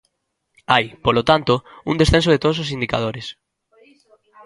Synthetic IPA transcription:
ajpolot̪ant̪oṵŋd̪esθẽns̬oð̞et̪oðososind̪ika̰ðoɾes

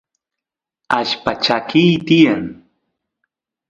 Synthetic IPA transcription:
aʃpat͡ʃakijt̪ɪjaŋ

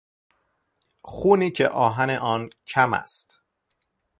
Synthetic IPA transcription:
xuːniːcʰḛʔɒːɦæne̞ʔɒːncʰæmæ̰st̪

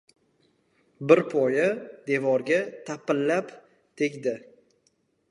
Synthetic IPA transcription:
bɪɾpʰɒjad̪e̞vɒɾɡʲat̪ʰapɪlːap | t̪ʰekʲd̪ɪ

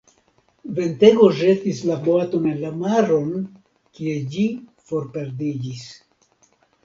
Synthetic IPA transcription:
ve̞nte̞ɡo̞ʒe̞tislaboato̞ne̞nlamaɾo̞n | kie̞d͡ʒifo̞ɾpe̞ɾdid͡ʒis

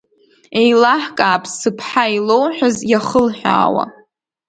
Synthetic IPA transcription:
e̞jlaħkʼaːpʰsɨpʰħailowħazjaχəlħʷᶣa̰ːwa̰

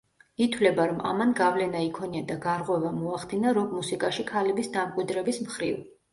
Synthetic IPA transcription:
it̪ʰwlɛbaɾɔma̰manɡavlɛnaikʰɔniad̪aɡaɾʁwɛvamɔaχd̪inaɾɔmːusikʼaʃikʰalɛbisd̪amkʼwid̪ɾɛbismχɾiv

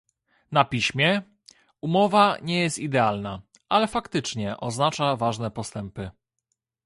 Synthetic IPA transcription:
napʲiɕmʲjɛ | umɔvaɲɛjɛst̪id̪ɛalna | ʔalɛfakt̪ɘt͡ʂɲɛʔɔznat͡ʂavaʐnɛpɔst̪ɛmpɘ

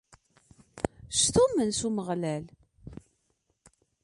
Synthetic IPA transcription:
st̪umənsuməʁlæl

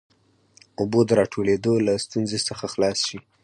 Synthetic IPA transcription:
ʊbod̪əɾɑʈʰoled̪olast̪unzesəxaxlɑsʃi

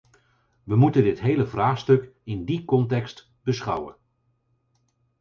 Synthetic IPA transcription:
ʋəmutəndɪtɦejləvraːχstɵkɪndikɔntɛkst | b̥əsχʌ̰wə̰n

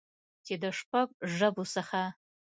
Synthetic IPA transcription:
tʰeːdɐʂpʰɐpʼʒɐbusɐχaː

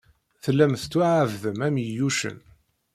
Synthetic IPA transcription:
θlːæmθt͡sːuʕəvðəmæməjuʃə̰n

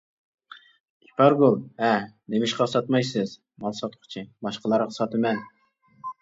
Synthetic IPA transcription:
i̥pʰɑɾbolˠɛnemɪʃqɑsɑt̪mɑjsɨz | mɑlˠsɑt̪̚qʰʊ̥t͡ʃʰibɑʃqəlˠɑɾqsɑt̪ɨmɛn

